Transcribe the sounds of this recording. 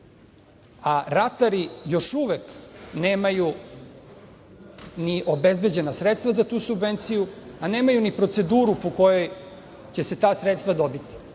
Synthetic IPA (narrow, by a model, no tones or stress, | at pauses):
aɾat̪aɾijo̞ʃuʋekne̞ːmaju | niʔo̞be̞zbe̞d͡ʑe̞nasɾet̪st̪vazat̪uːsubʋent̪sijuane̞ːmajunipɾo̞t̪se̞d̪uːɾupo̞ko̞jo̞j | t͡ɕe̞se̞t̪aːsɾet̪st̪ʋad̪o̞bit̪i̥